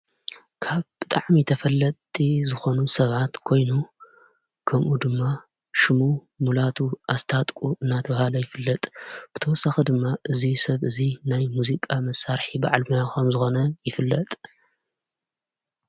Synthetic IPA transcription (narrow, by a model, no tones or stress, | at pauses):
kʰaβb̥ɨt̪ʼaʕmit̪ʰɐfɐlːɐt̪ʼːizɨxo̞nusɐβat̪kʰo̞jnu | kʰɐmʔud̪ɨmːa | ʃɨmu | mulat̪ʰuʔazt̪ʰat̪ʼkʼuɨnːat̪ʰɐβahalɐjɪfɨlːɐt̪ʼb̥ɨt̪ʰɐwɔsːaxid̪ɨmːaʔɨzisɐβɨzinajmuzikʼamɐsːaɾħibaʕlmjaxɐmzɨxo̞nɐjɪfɨlːɐt̪ʼ